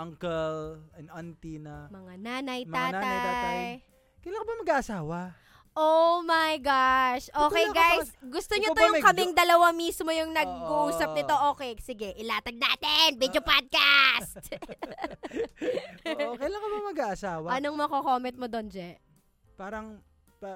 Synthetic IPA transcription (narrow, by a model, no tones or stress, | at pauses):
ʔɐŋkɛlɛnɐnt̪inɐmɐŋanaːnɐjmɐaːnaaj̪aːt̪aj | kɐjlaɐŋkobɐmɐɡaːʔɐsaːwɐ | ʔomajɡaʃʔoːkkɛjɡajsɡʊst̪oɲoojʊŋkɐmɪŋd̪ɐlɐwɐmismojʊŋnɐɡuʔuːsɐp̚nɪt̪o̞ʔo̞ːkɛjsɪɡɛʔɪlaːt̪ɐɡ̚na̰ːt̪ɛnbid̪jopad̪̚kast̪̚ | kɐjlaŋkobɐmɐɡaʔɐsaːwɐɐnoŋmɐkokoːmɛnt̪̚mod̪ond͡ʒɛʔ | paːɾɐŋ | pa